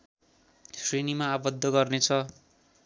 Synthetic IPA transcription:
srenimaːbʌd̪ʱːʌɡʌrnet͡sʰʌ

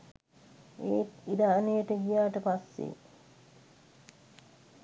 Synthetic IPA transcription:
eːt̪id̪aːnejəʈəɡijaːʈəpasːḛ

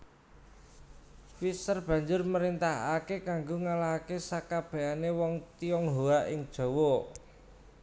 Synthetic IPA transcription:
fisərb̥ä̤ɲd͡ʒʊrməɾint̪aɦakekaŋɡoŋalaɦakesakab̥ɛ̤ʔanewɔŋt̪iɔŋɦoaʔɪŋd̥ʒ̥o̤wo

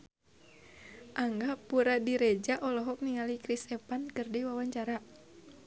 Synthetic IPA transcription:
ʔaŋɡapuɾadiɾɛd͡ʒaʔɔlɔɦɔk̚niŋalikɾisɛpankərdɛwawaɲt͡ʃaɾa

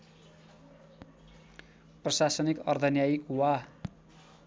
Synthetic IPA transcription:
prʌsasʌnikʌrd̪ʱʌnjajikwa

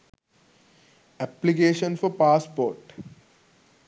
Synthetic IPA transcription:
æplikeːʃə̃nfɔɾpaːspoːɾʈ

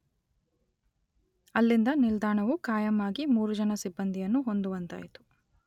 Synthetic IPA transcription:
ɐlːind̪ɐnild̪aːɳɐʋukaːjɐmaːɡimuːɾud͡ʒɐnɐsibːɐnd̪ijɐnːuɦond̪uʋɐnt̪a̰ːjit̪u̥

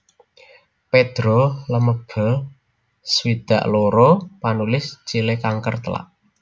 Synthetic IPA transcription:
ped̪̥ɾoləməb̥ə̤ | swid̪̥a̤̰ʔloɾopanulɪst͡ʃilekaŋkərt̪əla̰ʔ

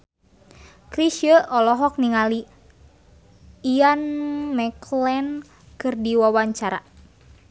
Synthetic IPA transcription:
kɾiʃjəʔɔlɔɦɔk̚niŋali | anmɛklɛn | kɨrdiwawaɲt͡ʃaɾa̰

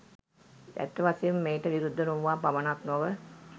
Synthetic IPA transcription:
æ̰t̪ːəʋasejumːeːʈəʋiɾud̪ʱːənuʋʋaːpaʋənat̪noʋə

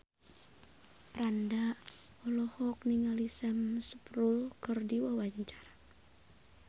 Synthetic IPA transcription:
pɾandaʔ | ɔlɔhɔk̚niŋalisɛmsə̥pɾulkɨrdiwawaɲt͡ʃar

